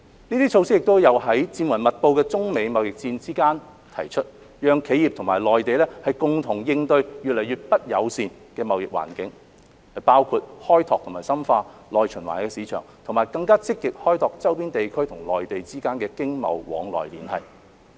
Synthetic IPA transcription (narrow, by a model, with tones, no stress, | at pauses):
niː˥t̪iː˥t͡ʃʰo˧wsɪ˥k̚jɪ˨k̚t̪o˥wjɐ˨˧wɦɐ˨˥jt͡siː˧nwɐ˨˩mɐ˨t̚po˧wkɛː˧t͡sʊ˥ŋme˨˧jmɐ˨˧wjɪ˨k̚t͡siː˧nt͡siː˥kaː˥n | t̪ʰɐ˨˩jt͡ʃʰɵ˥t̚ | jœː˨˧ŋkʰe˨˧˥ji˨p̚t̪ʰʊ˨˩ŋmaː˨˩jlɔː˨jt̪e˨jlɛː˥hɐ˨jkʊ˨ŋt̪ʰʊ˨˩ŋjɪ˧ŋt̪ɵ˧ɥjy˨t̚lɐ˨˩jɥyː˨t̚pɐ˥t̚jɐ˨˧wsiː˨˧n | kɛː˧mɐ˨wjɪ˨k̚wa̰ː˨˩nkɪ̰˨˥ŋ | hɐ˨jpaː˥wkʰu˧t̚hɔː˥jt̪ʰɔː˨k̚t̪ʰʊ˨˩ŋmaː˨˩jsɐ˥mfaː˧lɔː˨jt͡ʃʰɵ˨˩nwa̰ː˨˩nkɛː˧siː˨˧t͡ʃʰœ̰ː˨˩ŋt̪ʰʊ˨ŋmaː˨˩jkɐ˧ŋkaː˥t͡sɪ˥kːɪ˨k̚hɔː˥jt̪ɔː˨k̚t͡sɐ˥wpiː˥nt̪e˨jkʰɵ˥ɥt̪ʰʊ˨˩ŋlɔ̰ː˨jt̪e˨jt͡siː˥kaː˥nkɛː˧kɪ˥ŋmɐ̰˨˧wwɔ̰ː˨˧ŋlɔ̰ː˨jliː˨˥nhɐ˨j